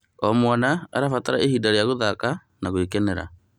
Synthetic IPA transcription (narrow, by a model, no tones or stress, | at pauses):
ɔmwanaaɾafataɾaehidaɾjaɣoðaka | naɣoekɛnɛɾa̰